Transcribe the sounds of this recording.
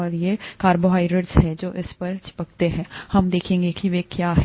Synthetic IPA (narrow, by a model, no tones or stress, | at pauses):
ɔːɾjekaːɾboɦaːɪɖɪɖsɦɛd͡ʒoːʔɪspɐɾt͡ʃʰɪ̥pəkt̪eɦɛ̃ːhɐmd̪eːkʰẽːŋɡekiʋekjaːɦɛ